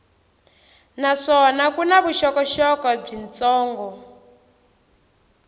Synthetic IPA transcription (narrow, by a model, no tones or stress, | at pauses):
naʂɔnakunaβuʃɔkɔʃɔkɔb͡ʐint͡sɔːŋɡɔ